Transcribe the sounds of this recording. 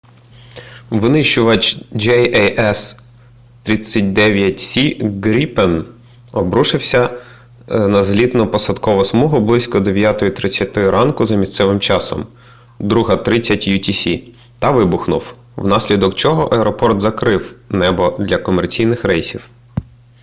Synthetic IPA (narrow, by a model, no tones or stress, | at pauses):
ʋɪnɪʃʊʋɐt͡ʃd͡ʒɛjɛjɛs | t̪ɾʲit͡sʲːɐt̚ʲd̪ɛʋʲjɐtʲsʲiɡɾʲipen | ɔbɾuʃɪwsʲɐ | nɐzɦlʲid̪nɔpɔsɐd̪kɔʋɔsmɔɦʊblˠɪsʲkɔd̪eʋʲjat̪ɔjʊt̪ɾɪt͡sʲːat̪ɔjʊɾʔɑnkʊzɐmʲist̪sɛʋɪmt͡ʃɑsɔ̰m | d̪ɾuɦɐt̪ɾɪt͡sʲːɐtʲjutʲisʲi | t̪ɐʋɪbʊxnʊw | wnɑsʲlʲid̪ɔkt͡ʃɔɦɔʔɐɛɾɔpɔrt̪zɐkɾɪwnɛbɔd̪lʲɐkɔmert͡sʲijnɪxɾɛjsʲiw